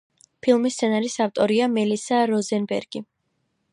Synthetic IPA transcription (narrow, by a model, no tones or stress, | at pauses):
pʰilˠmist̪sʰɛnaɾisaft̪ʼɔɾiamɛlisaɾɔzɛnbɛ̰ɾɡ̥i